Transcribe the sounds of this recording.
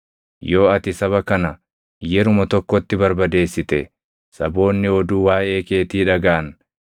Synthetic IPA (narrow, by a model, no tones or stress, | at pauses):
jo̞ːɐt̪ɪsɐβɐkɐnɐ | jɛɾʊmɐt̪ɔkːɔt̪ːɪbɐɾbɐd̪e̞ːsːɪt̪ɛ | sɐbo̞ːnːɪɔd̪uːwaːʔe̞ːke̞ːt̪iːᶑɐɡaʔɐn